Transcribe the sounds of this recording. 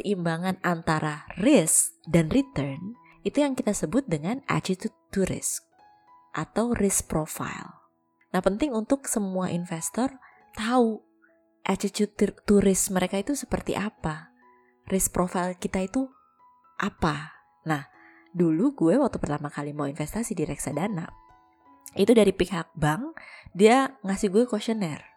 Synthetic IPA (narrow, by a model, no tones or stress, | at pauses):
səʔimbaŋanant̪aɾʔarɪsdanrit̪ərn | it̪ujaŋkit̪asəbʊt̪̚dəŋana̰t͡ʃit̪ut̪ːuɾɪ̰sk | ʔat̪awrʔɪspɾofa̰jl | nahpənt̪ɪŋunt̪ʊksəmuaʔinfɛst̪ɔr | t̪au | ʔat͡ʃit͡ʃut̪t̪ːuɾɪsməɾekait̪usəpərt̪ḭʔapa | rɪs̚pɾofailkit̪ait̪u | ʔapa | nah | duluɡuɛwak̚t̪upərt̪amakalimawinfɛst̪asidiɾɛksadana̰ʔ | it̪udaɾipikhak̚baŋdiaŋasɪhɡuɛkoʃənɛr